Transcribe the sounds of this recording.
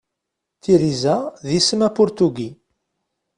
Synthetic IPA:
t̪iɾizæðisəmæpʊɾt̪uɡi

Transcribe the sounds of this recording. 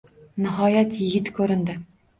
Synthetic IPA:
nə̆ɦɑjæt̪jɘ̆ɡɪt̪kʲɵɾɘ̆nd̪ɪ

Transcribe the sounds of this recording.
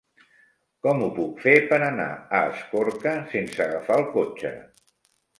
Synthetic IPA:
kɔmupukfepəɾəna̰əːskoɾkəsensəɣəfaəlˠkot͡ʃə̰

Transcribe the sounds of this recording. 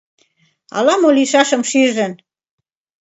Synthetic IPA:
ɑ̰lɑmoliʃɑʃə̆mʃiʒə̆n

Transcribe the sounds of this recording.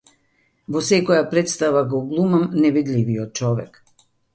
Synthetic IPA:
vɔsɛkɔjapɾɛt̪st̪avaɡɔɡlˠumamnɛvid̪liviɔt̪̚t͡ʃɔvɛ̰k

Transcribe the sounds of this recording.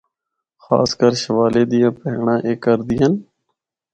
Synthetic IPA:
xa̰ːskəɾʃəʋaːleːd̪ɪjãːpəɦɳãːʔeːkːəɾd̪ɪːən

